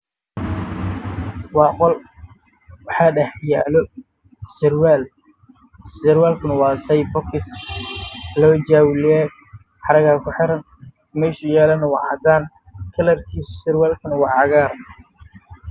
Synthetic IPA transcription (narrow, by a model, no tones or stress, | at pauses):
wɑːqɔl | wɑħɑːɖɐħjaːlɔ | swl | ɪɾwaːlkʰʊnɐwɑːsɐjbɔkɪs | lɔːd͡ʒaːwlɛ | ħɑɾɐɣaːkʰʊħɪɾɐn | mɛːʃʊjaːlɐnɐwɑ̰ʕɑd̪aːn | kʰɐlɐrkʰiːssɪɾwaːlkʰɐnɐwɑːʕɑɣaːr